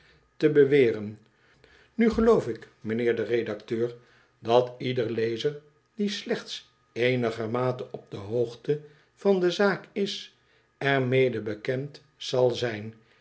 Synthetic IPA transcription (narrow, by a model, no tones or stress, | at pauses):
təbəʋɪːrən | nyχəlowfɪk | mənɪːɹdəredɑktøːɹ | dɑtidəɹlejzəɹ | dislɛχts | ejnəχəmaːtənɔp̚dəɦowχtə | v̥ɑndəzaːkɪs | ɛɹmejdəbəkɛnt | sɑlˠzɛjn